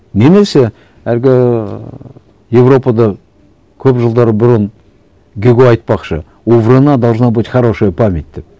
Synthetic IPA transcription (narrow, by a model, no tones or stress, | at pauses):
nemese | ælɡʲɪ | je̞vɾo̞pɑd̪ɑ | kʲʰɵpʒəlˠd̪ɑɾəbʊɾən | ɡʲeɡʲoɑjt̪̚pɑqʃə̰ | ovɾənɑd̪ɑlˠznɑbət̪χɑɾoʃəpʰamʲet̪̚ʲd̪ep̚